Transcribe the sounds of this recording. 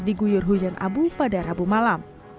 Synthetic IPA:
diɡujʊrɦud͡ʒanʔa̰bupadaɾabumalam

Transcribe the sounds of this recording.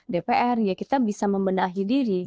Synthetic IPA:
depeʔɛrjakit̪abisaməmbənaɦidiɾi

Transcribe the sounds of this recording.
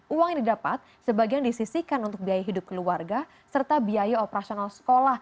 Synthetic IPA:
ʔuwaŋdidapa̰t̪̚səbaɡiaŋdisisikanunt̪ʊk̚biajaɦidʊp̚kəluarɡa | sərt̪abiajaopəɾasionalsə̥kolah

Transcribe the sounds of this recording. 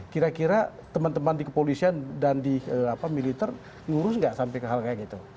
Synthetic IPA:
kiɾakiɾat̪əmant̪əmandikəpolisiandandiəapamilit̪ɛr | ŋuɾʊsŋɡaʔsampekəɦalkajaɡit̪u

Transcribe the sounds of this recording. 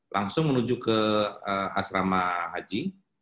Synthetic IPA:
lʔaŋsʊŋmənud͡ʒukəəa̰sɾamaɦad͡ʒi

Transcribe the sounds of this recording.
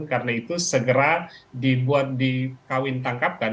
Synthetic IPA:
nkarənait̪usəɡəɾadibuat̪̚dikawɪnt̪aŋkap̚kan

